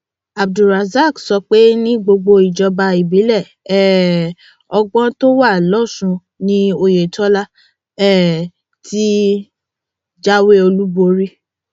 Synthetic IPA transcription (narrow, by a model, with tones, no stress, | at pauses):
a˨b̚du˨ɾa˨za˦˨ksɔ˧k͡pe˦nĩ˦ɡ͡bo˧ɡ͡bo˧i˨d͡ʒɔ˧ba˧i˨bi˨˦lɛ˦˨ | ɛ˦˨ | ɔ˧ɡ͡bɔ̃˦to˦wa˦˨lɔ˦˨sũ˧ | nĩ˦o˧je˨tɔ˦la˦ | ɛ˦˨ | tʰi˦ | d͡ʒa˦we˦o˧lu˦bo˧ɾi˦